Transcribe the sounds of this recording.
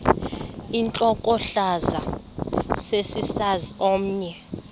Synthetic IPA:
int͡ɬʼɔkʼɔɬaza | sesisaziom̩ːɲɛ

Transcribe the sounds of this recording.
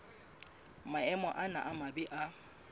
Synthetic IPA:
maɛmɔʔana̰ʔamabɪʔa

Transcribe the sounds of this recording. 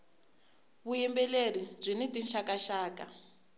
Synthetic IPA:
βujimbɛler̤ib͡ʐʷinidinʃakaʃaːka

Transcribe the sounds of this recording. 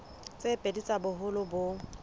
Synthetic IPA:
t͡sʼepʼedit͡sʼabʊɦʊlʊbʊ

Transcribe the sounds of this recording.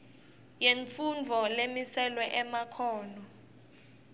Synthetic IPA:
jeɱfund͡vʱɔlemisɛlwɛʔɛmakʰɔːnɔ

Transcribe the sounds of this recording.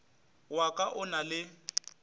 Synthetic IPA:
wakʼaʔʊnalɪ

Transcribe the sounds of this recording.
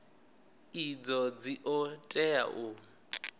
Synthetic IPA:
id͡zɔd͡ziʔɔtʼɛa̰ʔʊ

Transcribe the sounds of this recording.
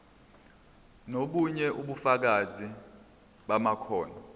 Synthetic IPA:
noɓuɲɛʔuɓufak̬azi | ɓamakʰɔːna

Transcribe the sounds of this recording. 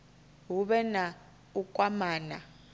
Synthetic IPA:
ɦuɓɛna | ukʼwamaːna

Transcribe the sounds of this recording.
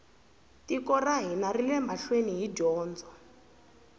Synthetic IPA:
tikɔraɦinarilɛmaɬweniɦiɟɔːnd͡zɔ

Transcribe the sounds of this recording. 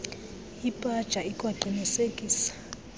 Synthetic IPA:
ipʼad̥ʒ̥ʼʱaikʼwaǃʱinisekʼiːsḁ

